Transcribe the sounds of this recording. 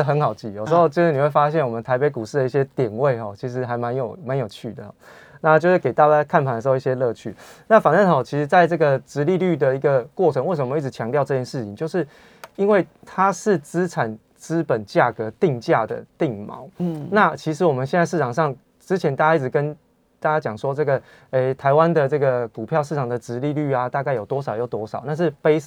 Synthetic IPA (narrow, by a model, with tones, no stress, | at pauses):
xə˧˦nxɑ˨˩ʊt͡ɕi˧˨˩jo˨˩ʂ̩˧˥xo˥˧ʊt͡ɕo˥˧ʂɻ̩˥˩ni˨˩we˥˩ɪfa˥ɕ̬jɛ˥˩nwɔ˨˩mə˦nt̪ʰa˧˥p̬e˧˥ɪku˨˩ʂɻ̩˥˩d̪ə˩i˥˩ɕjɛ˦t̪jɛ˨˩nwe˥˩ɪxɔ˨˩t͡ɕʰi˧˥ʂ̬ɻ̩˧˥ɦa˧˥ɪma˧˦njo˨˩ʊma˧˦njo˨˩ʊt͡ɕʰy˥˩d̪ə˨˩ɔ̰˨˩˦ | na˥˧t͡ɕjo˥˧ʊʂɻ̩˥˩ke˨˩ɪt̪a˥˧t͡ɕa˥kʰa˥˩npʰa˨ndə˩ʂ̩˧o˥˧i˥˩ɕjɛ˦˥lɤ˥˧t͡ɕʰy̰˥˨˩na˥˩fa˨˩nə˥˩hɔ˨˩t͡ɕʰi˧˥ʂ̩˧˥t͡sa˥˧ɪʈ͡ʂɤ˥˩ɡə˨˩t͡sɻ̩˧˥li˥˧ly˥˩d̪ə˩i˧˥ɡə˨kwɔ˥˨ʈ͡ʂʰə˧˦ŋwe˥˩sə˧˩˨m˧˦i˥˩t͡s̩˧˥t͡ɕʰjɑ˧˦ŋt̪jɑ˥˧ʊʈ͡ʂɤ˥˧t͡ɕjɛ˥nʂɻ̩˥˩t͡ɕʰḭ˨ŋt͡ɕjo˥˧ʊʂɻ̩˥˩ | i˦˥nwe˥˩ɪt̪ʰa˦ʂɻ̩˥˩t͡sɹ̩˥ʈ͡ʂʰa˨˩n | t͡sɹ̩˥pə˨˩nt͡ɕja˥˩kɤ˧˦t̪i˥˧ŋt͡ɕja˥˨˩d̪ə̰˩t̪i˥˨˩ŋmɑ̰˨˦ʊna˥˨t͡ɕʰi˧˥ʂɻ̩˧˥wɔ˨mə˦nɕjɛ˥˧na˥˧ʂɻ̩˥˩ʈ͡ʂʰɑ˨˩ŋʂɑ˥˨˩ŋ | ʈ͡ʂɻ̩˥t͡ɕʰjɛ˧nt̪a˥˩t͡ɕa˥i˥˩ʈ͡ʂ̩˨˩kə˦n | t̪a˥˩t͡ɕja˥t͡ɕjɑ˨˩ŋʂwɔ˥ʈ͡ʂɤ˥˩ɡə˩ | e˥˩ɪt̪ʰa˧˦ɪwa˦nd̪ə˨ʈ͡ʂɤ˥˩ɡə˩ku˨˩pʰjɑ˥˧ʊʂ̬ɻ̩˥˩ʈ͡ʂʰɑ˨˩ŋd̪ə˩ʈ͡ʂɻ̩˧˥li˥˧ly˥˩a˨t̪a˥˧ka˥˩ɪjo˨˩ʊt̪wɔ˥ʂɑ˨˩ʊjo˥˩ʊt̪wɔ˥ʂɑ˨˦ʊna˥˧ʂ̬ɻ̩˥˩pe˥ɪs